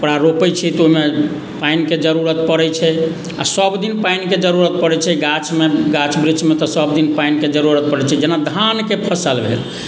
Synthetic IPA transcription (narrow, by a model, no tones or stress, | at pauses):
pɽaɾopɛt͡ʃʰɛt̪oɦime | painked͡ʒəɾuɾət̪pəɽɛt͡ʃʰɛ | a̰səbd̪inpainked͡ʒəɾuɾət̪̚pəɾɛt͡ʃʰɛɡat͡ʃʰmeɡat͡ʃʰbɾit͡ʃʰmet̪ɔsəbd̪inpainked͡ʒəɾuɾət̪̚pəɾɛt͡ʃʰɛd͡ʒenad̪ʱankepʰəsəlbʱḛl